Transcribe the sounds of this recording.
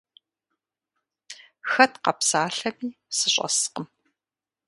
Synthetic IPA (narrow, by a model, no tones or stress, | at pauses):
xɐtqɐpsaːɬɐmiːsɨɕʼɐ̰sqəm